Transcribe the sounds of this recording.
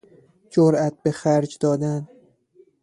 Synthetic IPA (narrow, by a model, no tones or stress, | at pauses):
d͡ʒoɾat̪̚bexaɾd͡ʒd̪ɒːd̪an